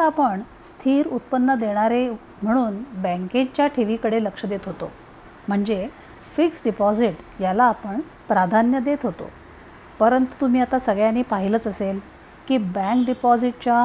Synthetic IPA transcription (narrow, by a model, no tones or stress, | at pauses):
apəɳ | st̪ʰiːɾut̪̚pənːəd̪eɽ̃aɾe | m̤əɽ̃uːnbɛ̃ŋket͡ɕjaʈʰeʋikəɽeləkʂəd̪et̪ɦot̪o̰ | m̤əɳd͡ze | fiksɖipɔd͡ziʈjalaːpəɳ | pɾad̪ʱanjəd̪et̪ɦot̪o̰ | pəɾənt̪u̥t̪um̤iːat̪asəɡɭjaniːpaɦilət͡səsel | kiːbæ̃ŋkɖipɔd͡ziʈ̚t͡ɕa